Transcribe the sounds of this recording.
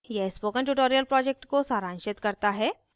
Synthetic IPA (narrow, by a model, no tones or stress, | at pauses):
jɛɦspoːkəɳʈuʈoːɾijəlpɾɔːd͡ʒek̚ʈkosaːɾãːnʃɪt̪kɐɾt̪aɦɛː